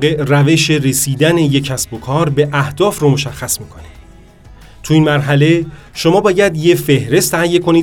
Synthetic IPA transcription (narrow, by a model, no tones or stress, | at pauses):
e̞ʔræve̞ʃe̞ɾe̞siːd̪æne̞je̞cʰæsbo̞kʰɒːɾbe̞ʔæhd̪̥ɒːfromo̞ʃæxːæsmiːkʰonid̪̥ | t̪ʰuiːnmæɾɦæle̞ | ʃo̞mɒːbɒːjæd̪je̞fe̞hɾe̞st̪ʰæhjːe̞kʰo̞niː